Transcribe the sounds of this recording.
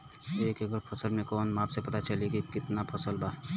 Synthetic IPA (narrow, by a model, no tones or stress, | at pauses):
eːkɐɡəɾpʰɐsəlmẽkɔːnmaːpsepɐt̪at͡ʃɐlekikɪt̪napʰɐsəlbaː